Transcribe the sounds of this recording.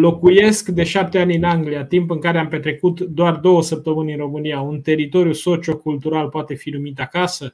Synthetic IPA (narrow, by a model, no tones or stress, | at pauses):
lo̞kuje̞skd̪e̞ʃap̚t̪e̞anʲɨnaŋɡlijat̪impɨŋkaɾeampe̞t̪ɾe̞kut̪d̪oard̪o̞wəsəp̚t̪əmɨnʲɨnro̞mɨniaunt̪e̞ɾit̪o̞ɾjuso̞t͡ʃio̞kult̪uɾalpoat̪e̞finumit̪akasə